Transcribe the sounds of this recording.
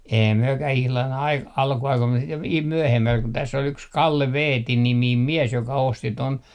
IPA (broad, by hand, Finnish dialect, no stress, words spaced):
eihæm myøkæh ihlɑn ɑik ɑlkuɑikoim mus sit ʋ myøhemːæl kun tæsː ol yks kɑlːe ʋeːti nimiːm miɛs jokɑ osti ton